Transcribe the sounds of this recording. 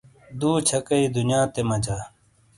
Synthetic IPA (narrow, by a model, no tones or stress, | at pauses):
d̪uːt͡ɕʰɐkɐid̪unjãːt̪emɐd͡ʑaː